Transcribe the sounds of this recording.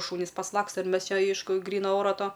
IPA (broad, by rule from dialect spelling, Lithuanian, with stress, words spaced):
ˈʃuːnʲɪs pɐsˈlˠɑːkstɐ ɪr ˈmʲɛs ˈt͡ʃʲɛ ˈɛɪʃkʊ ˈɡrʲiːnɐ ˈoːrɐ ˈtoː